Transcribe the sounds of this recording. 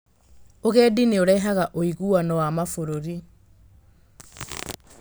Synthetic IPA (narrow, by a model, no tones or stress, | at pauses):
oɣɛːdineoɾɛɦaɣaʔoiɣuanɔwamafoɾoɾi